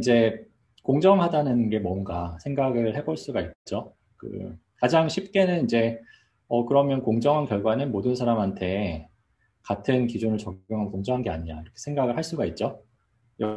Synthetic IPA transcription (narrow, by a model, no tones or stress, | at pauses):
id͡ʑe̞ | koŋd͡ʑʌŋɦadanɯnɡe̞mwʌnɡasʰe̞ŋɡaɡɯɭhe̞boɭs͈uɡaik̚t͡ɕ͈o | kɯ̰kad͡ʑaŋɕʰip̚k͈e̞nɯnid͡ʑe̞ | ʌkɯɾʌmjʌnkoŋd͡ʑʌŋɦankjʌɭɡwanɯnmodɯnsʰaɾamɦantʰe̞ | katʰɯnkid͡ʑunɯɭt͡ɕʌɡjoŋɦamokoŋd͡ʑʌŋɦanɡe̞a̰ɲiɲa̰iɾʌkʰe̥sʰe̞ŋɡaɡɯɭɦaɭs͈uɡait̚t͡ɕ͈o | jʌ